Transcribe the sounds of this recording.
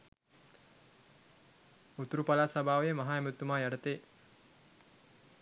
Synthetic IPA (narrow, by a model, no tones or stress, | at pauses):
ut̪uɾupalaːsabʱaːʋejəmaɦaːemut̪ːumaːjaɖət̪eː